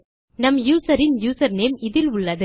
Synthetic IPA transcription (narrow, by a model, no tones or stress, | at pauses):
nɐmjuːsɐɾɪnjuːsɐɾneːmɪðɪlʊɭːɐðɯ